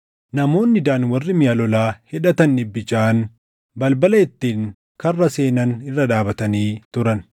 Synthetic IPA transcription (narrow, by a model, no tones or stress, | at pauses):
nɐmo̞ːnːɪd̪aːnwɐrːɪmɪjalɔlaːhɛᶑɐt̪ɐnːɪbːɪt͡ʃaːn | bɐlbɐlɐɛt̪ːiːŋ | kɐrːɐse̞ːnɐnɪrːɐd̪aːbɐt̪ɐniːt̪ʊɾɐn